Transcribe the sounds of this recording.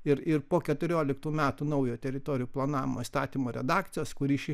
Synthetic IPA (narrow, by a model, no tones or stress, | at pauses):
ɪɾɪɾpoːkʲɛt̪ʊɾʲoːlʲɪkt̪uːmʲæːt̪uːnɐʊjuːt̪ʲɛɾʲɪt̪oːɾʲɪjuːplˠɐnɑːʋʲɪmoːist̪ɑːt̪ʲiːmoːɾʲɛ̰d̪ɑːkt̪sʲɪjoːskʊɾʲiːʃʲɪ